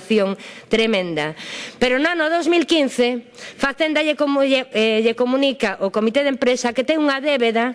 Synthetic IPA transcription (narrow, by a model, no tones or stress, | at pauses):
θjoŋt̪ɾemẽnd̪ɐpeɾʊnanʊðowzmilkin̟θe | faθend̪ɐʎeko | ʎekomũnikaʔokomit̪eðempɾesɐket̪ɛŋuŋɐðeβeðɐ